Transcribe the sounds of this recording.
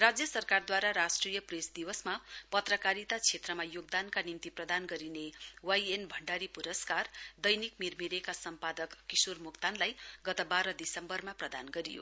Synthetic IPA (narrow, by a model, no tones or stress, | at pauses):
rad͡zjʌsʌrkard̪waɾaɾasʈrijʌpresd̪iwʌsmapʌt̪rʌkaɾit̪at͡sʰet̪rʌmajoɡ̚d̪ankanimt̪iprʌd̪anɡʌɾinewajenbʱʌɳɖaɾipuɾʌskard̪ʌjnikmirmiɾekasʌmpad̪ʌkːisurmukt̪anlajɡʌt̪ʌbaɾʌd̪isʌmbʌrmaprʌd̪anɡʌɾijo̰